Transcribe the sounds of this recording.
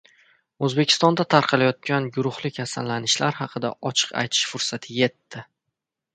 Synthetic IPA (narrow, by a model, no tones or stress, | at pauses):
ɵzbe̞kʲʰɪ̥st̪ɒnd̪at̪ʰaɾqʰɑlajɒt̪̚kʲanɡʊɾʊχlˠɪkʲʰasalːanɪʃlaɾhɑqʰɨd̪a̰ʔɒt͡ʃʰɨ̥qa̰jt̪ʰɪ̥ʃfʊɾsat̪ʰɪje̞t̪ːɪ